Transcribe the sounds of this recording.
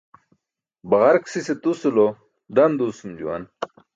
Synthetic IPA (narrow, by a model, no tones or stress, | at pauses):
bɐʁɐɾksiset̪usulo | d̪ɐnd̪usumd͡ʑṵwa̰n